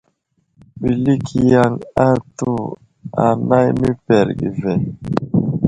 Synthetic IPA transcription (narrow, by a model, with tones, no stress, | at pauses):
ɓi˨li˦kʰi˨ja˦ŋa˦tu˦ | a̰˨na˦jmi˦pɛ˨ɾɡḭ˨vɛ˨